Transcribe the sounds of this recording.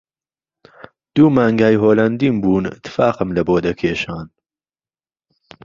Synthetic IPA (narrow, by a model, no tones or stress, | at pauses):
d̪̥uːmaːŋɡaːjɦoːlɐnd̪iːmbuːnɪ̰t̪ʰːɨ̥faːqəmlɐboːd̪ɐkʰeːʃaːn